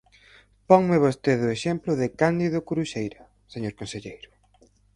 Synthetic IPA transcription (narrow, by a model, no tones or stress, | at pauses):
pɔŋmɪβ̞ost̪eðʊeʃemplʊðɪkand̪iðʊkuɾuʃejɾɐ | seɲoɾkonseʎejɾʊ